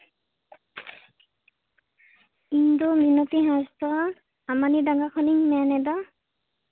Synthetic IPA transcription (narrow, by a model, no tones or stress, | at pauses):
ind̪ominɔt̪iɦãst̪ɔ | amanidaŋɡakʰɔniŋmɛnɛd̪a